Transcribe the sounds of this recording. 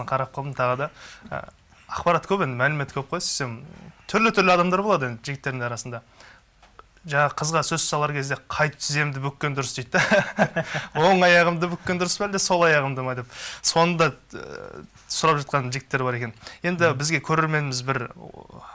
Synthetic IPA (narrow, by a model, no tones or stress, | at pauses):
qʰɑɾɑp̚qʰolˠəmt̪ʰɑʁəd̪ɑ̰ | ɑqpɑɾɑt̪kʰʲɵpe̞nd̪ɪmælɪme̞t̪kʲʰɵp̚qʰojse̥semt̪ʰʏɾlɪt̪ʰʏɾlɪɑd̪ɑmd̪ɑɾboɑd̪əjend̪ɪʒɪɡɪt̪ːeɾd̪ɪŋɑɾɑsənd̪ɑ | ʒɑɴɑqʰəzʁɑsɵzsɑlˠɑɾkʲʰe̞zd̪e̞qʰɑjt̪ə̥t̪ʰɪze̞md̪ɪbʏkʲːe̞nd̪ʊɾəsd̪ejt̪ːɑ | wo̞ɴɑjɑʁəmd̪əbʏkʲːend̪ʊɾəsbæld̪eso̞lˠɑjɑʁəmd̪əmɑjd̪e̞pso̞nənd̪ɑ | sʊɾɑpʒɑt̪̚qɑnʒɪɡʲɪt̪ːe̞ɾɪbɑɾe̞kʲe̞nje̞nd̪ɪbɪzɡʲe̞kʲʰɵɾe̞ɾme̞nɪmɪzbɪɾ